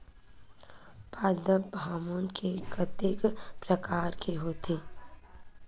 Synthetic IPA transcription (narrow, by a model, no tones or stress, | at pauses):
paːd̪əbaːmonkʰekət̪ekpɾəkaːɾkʰeɦoːt̪ʰeː